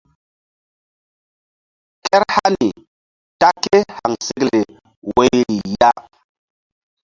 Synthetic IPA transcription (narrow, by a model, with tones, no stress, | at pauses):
kɛ˦ɾha˦ni˨ | ta˦ke˦ha˨ŋse˦kle˨ | we˦jɾi˨ja˦